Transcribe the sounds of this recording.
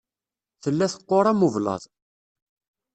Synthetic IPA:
θəlːæθə̥qːoɾˤæmuvlɑ̰ðˤ

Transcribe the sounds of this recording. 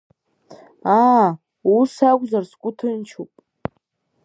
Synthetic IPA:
a | usakʷʼzarskʷʼʊtʰɨnt͡ʃʰupʼ

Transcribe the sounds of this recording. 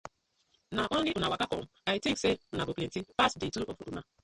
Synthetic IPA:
naʔoiunawakakɔ̰m̩aitĩkseunaɡoken̩tifasdetuo̰fuɾṵma

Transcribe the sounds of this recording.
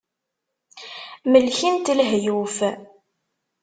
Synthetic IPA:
məlçint̪lɦjuf

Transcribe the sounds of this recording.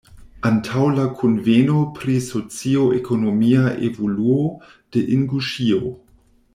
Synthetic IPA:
antʰawlakʰonvenopɾisot͡sioekʰonomiaʔḛvoluo | d̥eʔiŋɡuʃio

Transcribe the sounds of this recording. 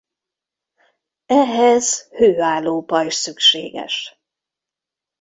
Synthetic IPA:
ɛɦɛz̥høːaːlːoːpɒiʃsykʃḛːɡɛ̰ʃ

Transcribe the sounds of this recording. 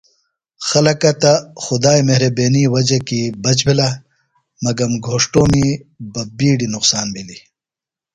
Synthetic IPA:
xɐlɐkɐt̪axʊd̪aːjmeɦɾɐbeːniwɐd͡ʑekibɐt͡ɕbila | mɐɡɐmɡʱoːʂʈoːmibɐbiːɖinʊqsaːnmili

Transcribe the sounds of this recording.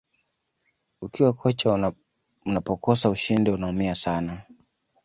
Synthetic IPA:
ukʰiwakʰɔt͡ʃa | unapɔkɔsauʃindiunaumiasana

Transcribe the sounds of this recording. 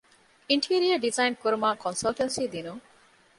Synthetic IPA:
iɳʈʰiɐɾiɐɖizajnkoɾmakɔnsalʈɐnsid̪ino

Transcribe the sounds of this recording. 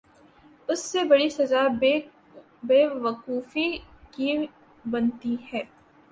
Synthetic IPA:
ʊsːebɐɽisɐza | beːʋɐquːfiki | bɐnt̪iɦɛː

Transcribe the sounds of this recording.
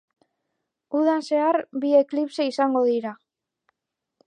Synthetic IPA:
uðanse̞aɾbie̞klipse̞isaŋɡo̞ðiɾa

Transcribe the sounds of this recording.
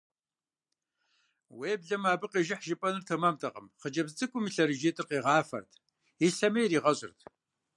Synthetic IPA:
weːbɮɐmaːbɨqʼeːʒɪħʒɪpʼɐnɨrtʰɐmamtʰɐqʼə̰mχəd͡ʒɐbzɨt͡sʼɨkʷʼʊmiɬɐɾɨd͡ʒeːtʰʼɨrqeːʁɑːfɐ̰rtʰ | iɬɐmɐjɾiːʁɐɕʼɪ̰rtʰ

